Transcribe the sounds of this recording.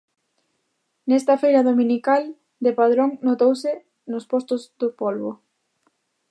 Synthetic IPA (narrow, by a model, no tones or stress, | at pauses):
nɛst̪ɐfejɾɐðomĩnikal | d̪epað̞ɾoŋnot̪owsɪ | nʊspost̪ʊzðʊpolβo